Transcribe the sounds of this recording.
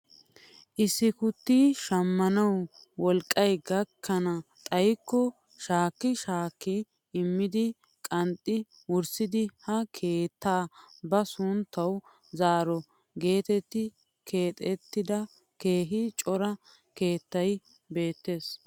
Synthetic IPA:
ʔɪsːɪkʊt̪ːiːʃɐmːɐnɐw | wɔlkʼːɐjɡɐkʰːɐnɐt̪ʼɐjkːɔ | ʃaːkːɪʃaːkːɪ | ɪmːɪd̪ɪ | kʼɐnt̪ʼːɪ | wʊɾsɪd̪ɪhɐkʰe̞ːt̪ʰːaːbɐsʊnt̪ːɐw | zaːɾɔ | ɡe̞ːt̪ɛt̪ːɪ | kʰe̞ːt̪ʼɛt̪ːɪd̪ɐ | ke̞ːɦɪt͡ʃʼɔɾɐ | ke̞ːt̪ːɐj | be̞ːt̪ːe̞ːs

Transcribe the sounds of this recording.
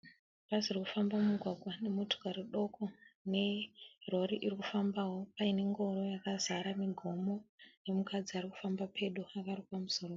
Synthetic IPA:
pazirikufambamuɡʱwaɡʱwane̞mutu̥kaɾiɗo̞kone̞ro̞ɾiʔirikufambawo̞paine̞ŋɡo̞ɾo̞jakazaɾamiɡʱo̞mo̞ne̞mukad͡ziariku̥fambapʰe̞ɗuakarikamusoro

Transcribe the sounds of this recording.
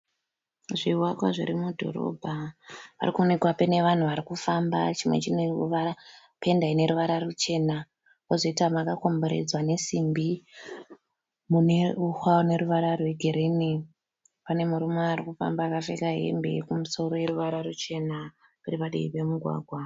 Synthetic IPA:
ʐiwakwa̰ʐḭɾimudʱo̞̰ɾo̰bʱaʋa̰rikuone̞kwapene̞ʋan̤uʋaɾikufamba̰t͡ʃimwe̞̰t͡ʃineʋara | pendaine̞ɾuʋaɾarut͡ʃe̞ːna | ozo̞itwamakako̞mbo̞ɾḛd͡zwane̞simbi | mune̞uhwane̞ɾuʋaɾarwe̞ɡʱeɾini | pane̞muɾumoaɾikufa̰mbaːkafḛkaɦe̞̰mbe̞̰kumuso̞ɾo̞je̞ɾuʋaɾarut͡ʃe̞na | kuripaɗiipe̞muɡʱwa̰ːɡʱwa

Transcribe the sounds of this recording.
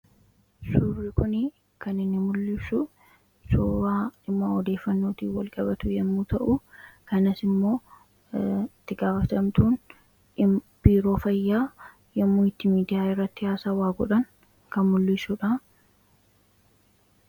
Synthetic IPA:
suːrːɪkʊnɪ | kɐnɪnːɪmʊlːɪsʊ | suːbaːᶑɪmːaːɔd̪e̞ːfːɐnːo̞ːt̪iːwɐlkʼɐbɐt̪ʊjɛmːuːt̪ɐʔʊkɐnɐsɪmːo̞ː | ɪt̪ːɪɡaːfɐt̪ɐmt̪uːn | b̥iːɾo̞ːfɐjːaː | jɛmːuːɪt̪ːɪmiːd̪ɪjaːɪrːɐt̪ːɪhaːsaːwaːɡɔᶑɐn | kɐnmʊlːisʊᶑɐ

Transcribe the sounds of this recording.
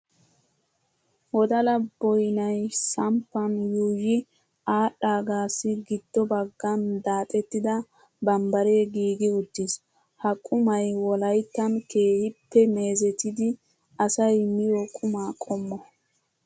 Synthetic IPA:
wɔd̪ɐlɐbɔjnɐjsɐmpːɐnjuːjɪ | aːɗaːɡaːsːɪɡɪd̪̥ːɔbɐɡːɐnd̪aːt̪ʼɛt̪ːɪd̪ɐ | bɐmbɐɾe̞ːɡiːɡɪʊt̪ːis | hɐkʼʊmɐjwɔlɐjt̪ːɐnkeːhɪpːɛme̞ːzɛt̪ɪd̪ɪ | ɐsɐjmɪjɔkʼʊmaːkʼɔmːɔ

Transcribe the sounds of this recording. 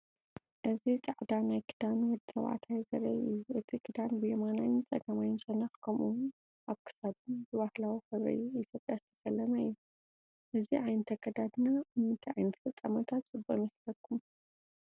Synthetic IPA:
ʔɨzit͡sʼaʕd̪anajkʰɨd̪anwɔd̪i̥sɐ̰βʕa̰t̪ʰajzɐ̰ɾɐ̰ɨjuʔɨt̪ʰikʰɨd̪anbɨjɛmanajt͡sʼɐɡɐmajɪnsʼɐnɐxkʰɐmʔu | ʔaβkʰɨ̥sad̪ɨnbɨβahlawixɨβɾɐ̰juit̪ʰjo̞pʼjazɨt̪ʰɐ̥sɐlːɐnajːu | ʔɨziʕajnɨt̪ʰɐkʰɐd̪ad̪ɨnaɨmːɨnt̪ʰiʕa̰jnɨt̪ʰfɐt͡sʼːɐmɐt̪ʰat̪t͡sʼɨbomɐslɐkʰːum

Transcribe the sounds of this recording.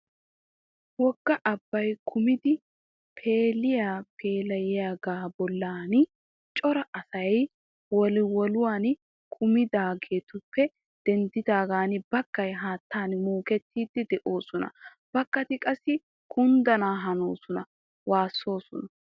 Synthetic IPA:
wɔɡːɐʔɐbːɐjkʰʊmɪd̪ɪ | pʰe̞ːlɪjaːpʰe̞ːlɐjɪjaːɡaːbɔlːaːnɪ | t͡ʃʼɔɾɐʔɐsɐj | wɔlɪwɔlʊwaːn | kʰʊmɪd̪aːɡe̞ːt̪ʊpːɛ | d̪̥ɛnd̪ɪd̪aːɡaːnɪbɐkːɐjɦaːt̪ːaːnmoːkɛt̪ːiːd̪ːɪd̪ɛʔo̞ːsɔnɐ̰ | b̥ɐkːɐt̪ɪkʼɐsːɪ | kʰʊnd̪ɐnaːɦɐnoːsɔnɐ | waːsːo̞ːsɔnɐ

